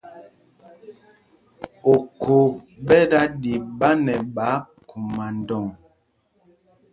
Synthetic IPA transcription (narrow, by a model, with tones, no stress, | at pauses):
o˨kʰo˨ | ɓɛ˦da˦di˨ba˦nɛ˨ɓa˨˦ | ku˨ma˨ndɔ˨ŋ